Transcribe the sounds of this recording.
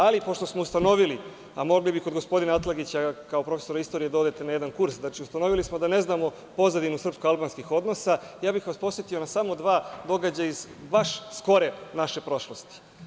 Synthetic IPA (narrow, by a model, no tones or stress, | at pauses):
alipoʃt̪osmoust̪ano̞ʋili | amo̞ɡlibiko̞d̪ɡospo̞d̪inaat̪lˠaɡit͡ɕakaopɾo̞fe̞so̞ɾaist̪o̞ɾijed̪aod̪e̞t̪enajed̪ankuɾsd̪nat͡ʃiust̪ano̞ʋilismo̞d̪ane̞znaːmo̞ | po̞zad̪inusr̩pskoalˠbanskixo̞d̪no̞sajaːbixʋaspo̞sjet̪io̞nasamo̞d̪ʋaːd̪o̞ɡad͡ʑaizbaʃsko̞ɾenaʃe̞pɾo̞ʃlˠost̪i̥